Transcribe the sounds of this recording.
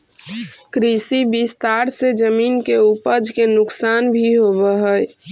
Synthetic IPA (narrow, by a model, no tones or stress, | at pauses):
kɾisibist̪aɾsed͡ʒəminkeupəd͡ʒʱkenʊksaːnbʱiɦoβəɦə